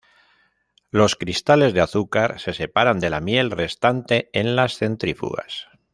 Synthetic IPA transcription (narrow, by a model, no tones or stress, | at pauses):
lo̞skɾist̪ale̞zðeaθukaɾse̞se̞paɾand̪e̞lamje̞lre̞st̪ant̪e̞enlasθe̞nt̪ɾifṵɣa̰s